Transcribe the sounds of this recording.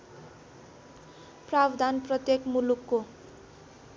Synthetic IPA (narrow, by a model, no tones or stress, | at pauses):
prabd̪anprʌt̪jekmulukːo